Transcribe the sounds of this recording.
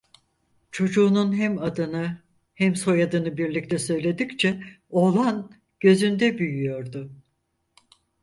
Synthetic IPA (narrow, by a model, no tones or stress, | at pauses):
t͡ʃʰo̞d͡ʒuːnunɦɛmad̪ɯnɯ | hɛmso̞jad̪ɯnɯbiɾlʲic̚t̪ʰɛsø̞jlʲe̞d̪ict͡ʃʰɛ | o̞lˠan | ɟ̥ø̞zynd̪ɛbyjyjo̞ɾd̪ʊ